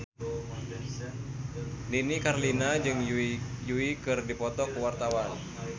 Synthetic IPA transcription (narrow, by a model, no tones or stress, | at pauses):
linikarlinad͡ʒɨŋjuikɨrdipɔt̪ɔkuwart̪awan